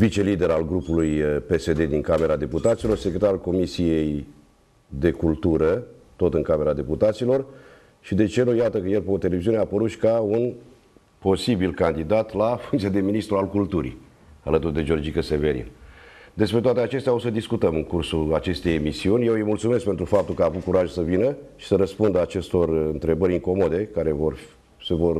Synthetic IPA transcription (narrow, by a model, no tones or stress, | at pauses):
vit͡ʃe̞lid̪e̞ɾalɡɾupulujpe̞se̞d̪e̞d̪iŋkame̞ɾad̪e̞put̪at̪silorsekɾet̪aɾalko̞misije̞j | d̪e̞kult̪uɾət̪o̞t̪ɨŋkame̞ɾad̪e̞put̪at̪silo̞r | ʃid̪e̞t͡ʃe̞nujat̪əkəjelpeot̪ele̞viziuneapəɾuʃi̥kaun | po̞sibilkand̪id̪at̪lafuŋt̪siad̪e̞minist̪ɾualkult̪uɾḭ | a̰lət̪urd̪e̞d͡ʒo̞rd͡ʒikəseveɾḭnd̪e̞spɾet̪oat̪eat͡ʃe̞st̪ʲao̞səd̪iskut̪əmɨŋkursuat͡ʃe̞st̪e̞jemisiunʲje̞wɨjmult̪sume̞skpe̞nt̪ɾufap̚t̪ulkəaːvut̪̚kuɾaʒusəvinəʃi̥səɾəspund̪əat͡ʃe̞st̪o̞rɨnt̪ɾe̞bəɾʲiŋko̞mo̞d̪e̞kaɾe̞vor | sevo̞r